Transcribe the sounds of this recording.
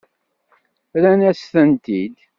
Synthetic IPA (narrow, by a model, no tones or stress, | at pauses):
ɾænæsθənt̪id̪